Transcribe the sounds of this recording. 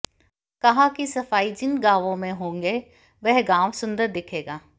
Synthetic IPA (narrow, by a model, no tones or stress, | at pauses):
kɐɦãkisɐfaːid͡ʒɪnɡaːʋõmẽɦõːŋɡe | ʋɛɦɪɡaːʋsʊ̃nd̪əɾd̪ɪkʰeːɡaː